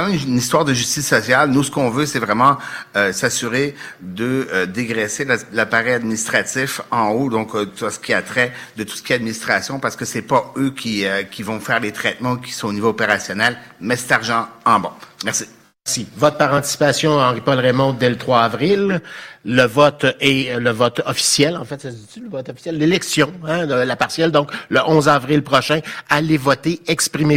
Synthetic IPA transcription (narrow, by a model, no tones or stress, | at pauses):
ɑmɛ̃mnist̪waʁd̪əʒyst̪isːɔsjalnusə̥kɔ̃vøsɛvʁɛmɑ̃øsasyʁed̪əd̪eɡʁɛsellapaʁɛjad̪̚minist̪χat̪ifɑ̃od̪ɔ̃kt̪asə̥kʲiat̪χɛd̪ət̪u̥sə̥kʲiead̪minist̪χʁasjɔ̃paʁsə̥kəsɛpaøkʲʰiøkʲivɔ̃fɛːʁlet̪χɛt̪mɑ̃ukʲi̥sɔ̃onivoːpeʁasjɔnɛlmɛsɛ̥t̪aʁʒɑ̃ɑ̃bɔ̰̃mɛʁsi̥ | ɛsivɔt̪̚paʁɑ̃t̪i̥si̥pasjɔ̃ɑ̃ʁipɔlʁemɔ̃d̪ɛlət̪χwaːvʁilː | əvɔt̪ɛləvɔt̪ɔfi̥sjɛlɑ̃fɛt̪sasit͡syləvɔt̪ɔfi̥sjɛlːelɛksjɔ̃ɛ̃əlapaʁsjɛld̪ɔ̃kləʔɔ̃zavʁilpʁɔʃɛ̃alevɔt̪eɛkspʁime